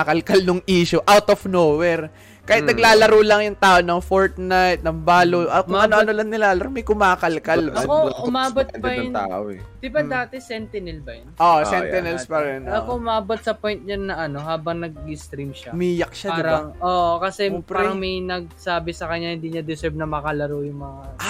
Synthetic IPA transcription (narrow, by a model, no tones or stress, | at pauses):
kɐlkɐlnʊŋʔiːʃʊʔawt̪ofnoːwɛɾ | kajɪt̪nɐɡlaːlɐɾuːlɐŋjʊŋt̪aːʔonɐŋfoɹt̪̚najt̪̚nɐŋbaːloʔɐkʊɐnoʔɐnolɐŋnɪlaːlɐɾomɐjkʊmaːkɐlkɐlɐkoʊmaːbot̪̚bɐjna̰ʔo̰d̪̥ɪbad̪aːt̪ɛsɛnt̪ɛnɛlbɐjɐnʔoʔsɛt̪ɛnɛlspɐɾɛnɐkoʔʊmaːbot̪̚sɐpojnt̪̚ɲɐnːɐʔɐno̞ɦaːbɐŋnɐɡ̚ɪst̪ɾimʃamiːjɐk̚ʃad̪ɪɾɐaŋoːʔokɐsɛpɾaɛɐŋmɐjnɐɡ̚saːbɪsɐkɐɲːahɪnd̪iːɲɐd̪ɪsɛbnɐmɐkɐlɐɾojʊŋmɐŋa